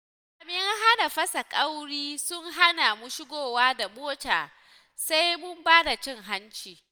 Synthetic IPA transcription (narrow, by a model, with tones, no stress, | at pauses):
ʔa˨bɪ˦ŋɦa˦na˨ɸɐ˦sa˨kʼa˦wɽiː˦sʊ˦ŋɦa˦na˨mʊ˦ʃɪ˦ɡʷoː˨waː˦da˨boː˦taː˨ | sa˦jmʊ˦mbaː˦da˨t͡ʃɪ˦ŋɦa˦nt͡ʃiː˨